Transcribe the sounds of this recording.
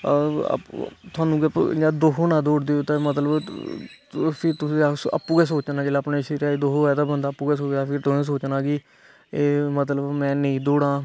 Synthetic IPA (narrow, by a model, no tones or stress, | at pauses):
t̪ʰʊaːnũːɡəpãːd̪oːkoːnãːd̪oːɽd̪eoːt̪ãːmət̪ləb | pʰɪɾt̪ʊsĩːaə̰pːuːɡɛːs̬oːt͡ʃnãːd͡ʒeːlaːpneːʃiɾaːiːd̪oːɦoːɛːt̪aːbənd̪aːpːuːɡɛːsoːt͡ʃaːpʰɪɾt̪ʊsĩːs̬oːt͡ʃnaːɡiː | eːmət̪̬ləbmɛ̃ːnəĩːd̪oːɽãː